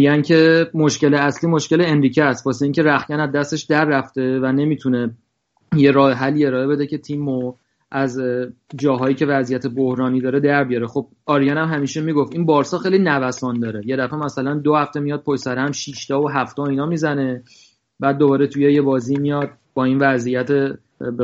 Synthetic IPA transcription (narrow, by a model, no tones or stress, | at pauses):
ijæncʰe̞moʃce̞leæsliːmoʃce̞leenɾiːcʰeæst̪̚pʰɒseiːŋce̞ɾæxcænæd̪dːæst̪e̞ʃd̪æɾːæft̪e̞væne̞miːt̪ʰune̞ | je̞ɾɒːheɦælːiːe̞ɾɒːe̞be̞d̪e̞ce̞t̪ʰimo | ʔæzd͡ʒɒːɦɒːjiːcʰe̞væzijæt̪ʰe̞bohɾɒːniːd̪ɒːɾe̞d̪æɾbijɒɾexo̞b̥̚ɒːɾijænæmɦæmiːʃemiːɡofiːnbɒːɾsɒːxejlinævæsɒːnd̪ɒːɾe̞je̞d̪æfemæsælænd̪ohæft̪e̞mijɒːd̪̚pʰojsæɾææmʃiːʃt̪ɒːoɦæft̪ɒːiːnɒːmizæne̞ | bæːd̪̚ːobɒːɾe̞t̪ʰujeje̞bɒːziːmijɒːd̪̥̚ | b̥ɒːiːnvæzijæt̪ʰe